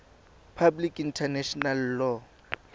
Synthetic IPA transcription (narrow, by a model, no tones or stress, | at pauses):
pʰablikintʰɛnɛʃɔnalːɔ